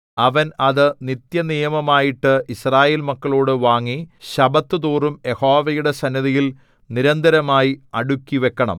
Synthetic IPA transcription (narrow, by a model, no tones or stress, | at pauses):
ɐʋɐnɐðɨnit̪jɐnijɐmɐmaːjiʈːɨisraːje̞ːlmɐkːɐɭo̞ːɽɨʋaːŋːiɕɐbɐt̪ːɨt̪uːrumje̞ho̞ːʋɐjuɽe̞sɐnːiðɐjil | niɾɐnd̪ʱɐɾɐmaːjiɐɽukʲːiʋe̞kːɐɳɐ̰m